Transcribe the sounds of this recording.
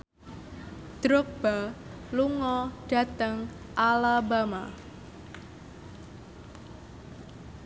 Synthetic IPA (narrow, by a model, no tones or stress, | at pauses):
d̪̥ɾʊk̚b̥a | luŋɔɖ̥a̤t̪əŋ | ʔalabama̰